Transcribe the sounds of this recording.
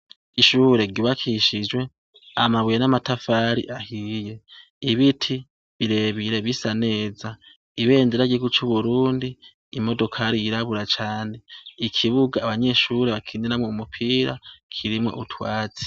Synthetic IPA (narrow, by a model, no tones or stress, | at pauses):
iʃuːɾe̞ɡuβakʰiʃid͡ʒwe̞ | amaβujenamatafaɾḭʔahije̞ | iβitʰi | βiɾe̞βiɾe̞βisane̞ːza | iβe̞ːnzeɾaɡiɡut͡ʃuβuɾuːndiː | mo̞do̞kʰaɾiiɾaβuɾat͡ʃaːne̞ikʰiβuɡaːβaɲe̞ːʃuɾe̞βakʰiːninamoumupʰiːɾakʰiɾimŋo̞̰ʔutʰwaːt͡si̥